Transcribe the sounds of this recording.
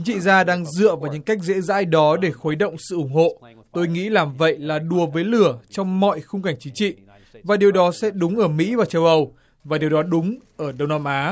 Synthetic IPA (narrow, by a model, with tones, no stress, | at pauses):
t͡ɕi˨˦ŋt͡ɕḭ˧˨zaː˧ɗaː˧ŋzɨ̰˧˨əvaː˨˩wɲɨ̰˧˥ŋka˦˥jk̟̚zḛ˧˥za̰ː˧˥jɗɔ˨˦ɗe˧˩xoː˨˦jɗə̰˧˨wŋ͡msɨ̰˧˨ʔʊ˧˩ŋ͡mɦo̰˧˨ | t̪o˧jŋḭ˧˥laː˨˩mvə̰˧˨jlaː˨˩ɗu˨˩əvəː˨˦jlɨ˧˩ət͡ɕɔ˧wŋ͡mmɔ̰˧˨jxʊ˧ŋ͡mka˧˩jŋ̟t͡ɕi˨˦ŋt͡ɕḭ˧˨ | vaː˨˩ɗi˨˩əwɗɔ˨˦sɛ̰˧˥ɗʊ˨˦ŋ͡mʔəː˧˩mḭ˧˥vaː˨˩t͡ɕə˧wʔə˧w | vaː˨˩ɗi˨˩əwɗɔ˨˦ɗʊ˨˦ŋ͡mʔəː˧˩ɗə˧wŋ͡mna˧mʔaː˨˦